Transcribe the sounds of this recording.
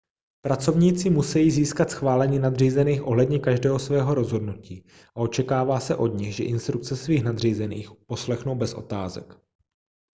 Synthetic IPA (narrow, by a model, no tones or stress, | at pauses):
pɾat͡so̞vɲiːt͡sɪmusɛjiːziːskat̪sxvaːlɛɲiːnad̪r̝iːzɛniːxʔoɦlɛdɲɛkaʒdɛːɦo̞svɛːɦo̞ɾo̞zɦo̞dnuciː | ʔao̞t͡ʃɛkaːvaːsɛʔo̞dɲɪɣʒɛʔɪnst̪ɾuk̚t͡sɛsviːxnad̪r̝iːzɛnḭːxpo̞slɛxno̞wbɛsʔo̞̰t̪aːzɛ̰k